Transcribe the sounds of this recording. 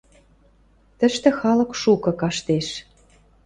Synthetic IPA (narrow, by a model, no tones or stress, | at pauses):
t̪ə̆ʃt̪ĕxɑlɤ̆kʃukɤ̆kɑʃt̪eʃ